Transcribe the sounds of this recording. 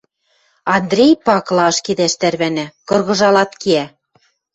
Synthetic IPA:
ɑnd̪ɾʲejpɑklˠɑɤ̆ʃked̪æʃt̪æɾβænækɤ̆rɣɤ̆ʒɑlɑt̪keæ

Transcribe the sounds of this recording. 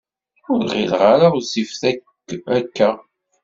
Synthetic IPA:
ʊɾʁḭlʁaɾazifθækː | ækːæ

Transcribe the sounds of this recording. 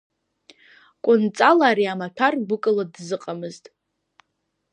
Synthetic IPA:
kʷʼʊnt͡sʼalaːɾiamapʰᶣarɡʷʊkʼɨladzɨqʼamɨztʼ

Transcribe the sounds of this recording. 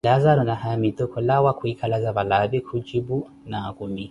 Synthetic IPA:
lazaɾɔnahajamit̪ɔkʰɔlawakʰuikʰalazaβalabikʰud͡ʒibu | nakuni

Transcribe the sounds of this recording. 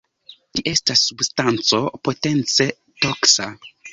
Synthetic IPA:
liʔe̞stasːubstant͡so̞po̞te̞nt͡se̞ | toksa

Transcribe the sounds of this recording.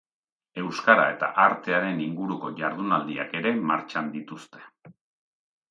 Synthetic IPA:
e̞wskaɾa̰e̞t̪a̰ʔaɾt̪e̞aɾe̞niŋɡuɾuko̞ʝaɾðunald̪ia̰ke̞ɾe̞maɾt͡ʃand̪it̪ust̪e̞̥

